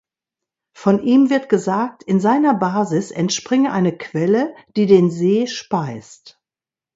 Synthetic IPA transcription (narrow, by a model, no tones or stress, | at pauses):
fɔnʔiːmvɪɐtɡ̥əzaːk̚tɪnzaɪnɐbaːzɪsɛntʃpʁ̥ɪŋəʔaɪnəkʰv̥ɛləd̥iːdeːnzeːʃpaɪst